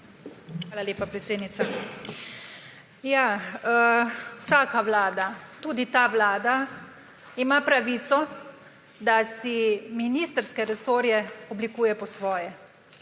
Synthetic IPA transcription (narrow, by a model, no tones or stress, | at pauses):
xʋaːlaleːpapɾɛt̪seːd̪nit̪a | jaəwsaːkaʋlaːd̪at̪uːd̪it̪aːʋlaːd̪a | imapɾaʋiːt̪sɔ | d̪asiminiːst̪əɾskɛɾɛsoːɾjɛɔblikuːjɛpɔsʋɔːjɛ